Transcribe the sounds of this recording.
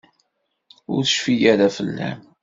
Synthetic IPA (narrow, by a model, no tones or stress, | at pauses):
ʊɾθəʃfijæɾæfəlːæ̰m